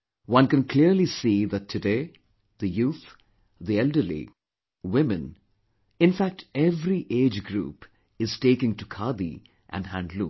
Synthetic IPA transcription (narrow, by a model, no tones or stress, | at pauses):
wʌ̃nkɨ̃nkʰliəɾlisiðætʰːɨdeː | ðəjuːθ | ðiɛldə˞lḭ | wɪ̃mɨ̃n | ɪ̃nfæk̚ʈʰɛvɾiʔeːd͡ʒɡɾṵːp | ɪz̥teːkɪ̃ŋtukʰad̪ḭ | ʔæ̰̃nhæ̃ndlũ